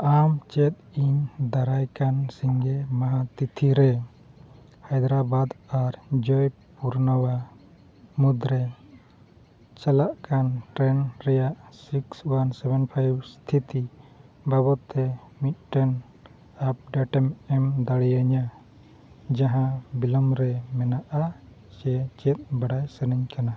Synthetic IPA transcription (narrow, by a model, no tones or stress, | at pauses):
amt͡ʃɛt̪̚iɲd̪aɾajkansiŋɡɛmaɦãt̪it̪ʰiɾɛ | hajd̪ɾabad̪aɾd͡ʒɔj | puɾnəwa | mud̪ɾɛ | t͡ʃalaʔkanʈɾɛnɾɛjaʔsikswansɛbɛnpʰajbst̪ʰit̪ibabɔt̪ːɛmit̪̚ʈɛn | ap̚ɖaʈɛmɛmd̪aɽijaɲa | d͡ʒaɦãbilɔmɾɛmɛnaʔa | t͡ʃɛt͡ʃɛt̪̚baɽajsɛnɛɲkana